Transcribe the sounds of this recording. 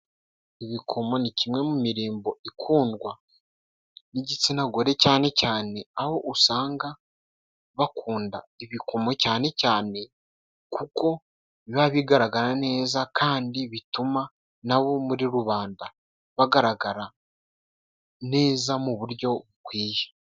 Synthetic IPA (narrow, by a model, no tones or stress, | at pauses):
iβikʰo̞mo̞nicimŋe̞mumiɾiːmbo̞ikʰuːndɡwa | niɟit͡sinaɡo̞ɾe̞caːne̞caːne̞aho̞ʔusaːŋɡa | βakʰuːndaiβikʰo̞me̞caːne̞caːne̞ | kuko̞ | iβaβiɡaɾaɡaɾane̞ːzakʰaːndiβituma | naβo̞muɾiɾuβaːnda | βaɡaɾaɡaɾa | ne̞ːzamuβuɾjo̞ukwiːjḁ